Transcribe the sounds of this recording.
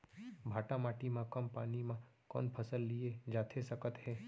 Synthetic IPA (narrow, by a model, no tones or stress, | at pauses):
bʱaːʈamaːʈimãkɐmpaːnimãkɔ̰ːnpʰɐsəlːied͡ʒaːt̪ʰesɐkət̪ɦɛː